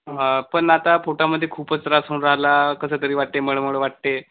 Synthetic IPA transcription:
pəɳnat̪apoʈaməd̪ʱːjekʰuːpət͡sɾasuːɳɾaɦlakəsəːt̪əɾiːʋaʈ̚t̪eməɭəməɭəʋaʈ̚t̪e

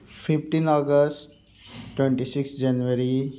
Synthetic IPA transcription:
fɪfʈĩnɔːɡəsʈ | ʈːwẽɳʈisɪkstd͡ʒɛnʋəɾi

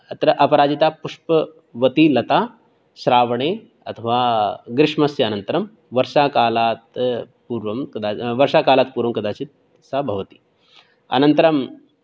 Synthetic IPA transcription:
ɐt̪ɾɐʔɐpɐɾaːd͡ʒit̪apuʂpə | ʋɐt̪ilɐt̪a | ʃɾaːʋɳe | ɐt̪ʰɐʋaɡɾɪʂmɐsjɐnɐnt̪ɾɐm | ʋɐɾʃakaːlaːt̪ | puːɾʋɐmkɐd̪aʋɐɾʃakaːlaːt̪puːɾʋɐmkɐd̪aːt͡ɕit̪ | sabʱɐʋt̪i̥ː | ɐ̰nɐnt̪əɾɐm

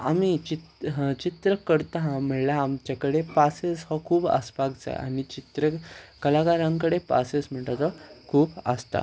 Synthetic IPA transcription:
a̰mit͡ɕit̪t͡ɕit̪ɾəkəɾt̪aɦãm̤əɭlaːmt͡ɕakəɽepaseshɔkʰuːbə̰spaɡd͡za̰ja̰ɽit͡ɕit̪ɾəkəlakaɾãŋk̬əɽepa̰sesm̤əɳʈat̪ɔkʰuːbəst̪a̰

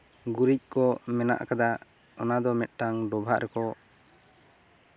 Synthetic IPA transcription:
ɡuɾic̚ˀkɔmɛna̰ʔkad̪a | ɔnad̪ɔmɛt̪̚ˀʈaŋɖɔbʱaʔɾʔɛkɔ

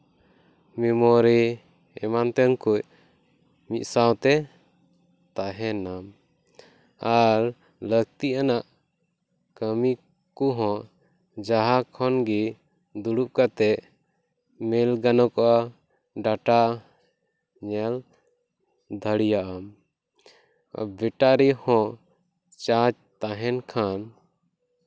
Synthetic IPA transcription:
mimɔɾi | ɛ̰mant̪ɛnkuʔ̚ | mit̪̚sawt̪ɛ | t̪aɦɛnam | aɾ | ləɡ̚t̪iʔanaʔ | kəmi | kuɦɔ̃ | d͡ʒaɦakʰɔnɡi | d̪uɽup̚kat̪ɛʔ | mɛlɡanɔkɔʔa | ɖaʈa | ɲɛl | d̪ʱəɽijaʔam | bɛʈaɾihɔ̃ | t͡ʃad͡ʒ | t̪aɦɛnkʰan

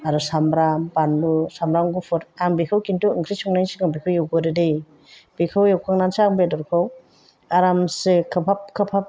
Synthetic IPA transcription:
aɾusamɾambandusamɾaŋɡupʰɯɾaŋbikʰawkintuɯŋkʰɾisɔŋnajŋsɯŋaŋbikʰawjawɡɔɾɯdej | b̥ikʰawjawkʰaŋnanseaŋbedɔɾkʰaw | aɾamsɯkʰɯpʰap̚kʰɯpʰap̚

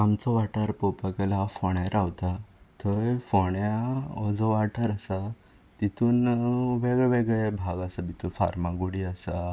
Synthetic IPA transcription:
amt͡sɔʋaʈəɾpɔpakelafɔɳãɾawt̪at̪əɾfɔɳjaɔd͡zɔʋaʈʰəɾasa | t̪it̪uːnʋeɡɭeʋeɡɭebʱaɡasabit̪ʰufa̰ɾmãɡuɽiasa

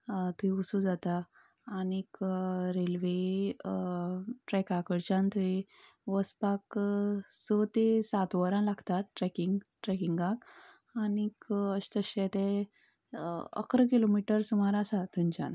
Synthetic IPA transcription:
t̪uiusud͡zat̪aː | nikɾelʋe | ʈɾɛkakəɽt͡ɕãnt̪ʰue | ʋəspak | sot̪esat̪ʋəɾãlaɡt̪at̪ʈɾɛkiŋɡʈɾɛkiŋɡak | anikəɕt̪əɕet̪e | ə̰kɾəkilomiʈəɾsumaɾasat̪uɲt͡ɕã̰n

